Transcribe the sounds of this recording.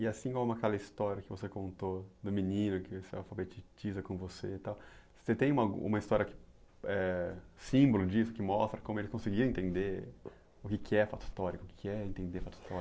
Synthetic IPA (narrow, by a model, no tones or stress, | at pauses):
ɪasĩkõmʊ̃mʊakɛlɐist̪ɔɾiɐkɪvosekõnt̪od̪ʊminĩnʊkɪvoseawfabet͡ʃit͡ʃizɐkõvoset̪aw | set̪ẽj̃ũmaɡṵ̃ṵ̃mɐist̪ɔɾiɐkɪ̥ɛsĩbolʊd͡ʒisʊkɪmɔst̪ɾɐkõmʊelɪskõsɪɡiɾ̃ɐ̃ẽnt̪ẽnd̪e | ʊkɪkʰɪɛfat̪ʊ̥st̪ɔɾikʊkɪ̥kɪɛẽnt̪ẽnd̪efat̪ʊ̥st̪ɔɾ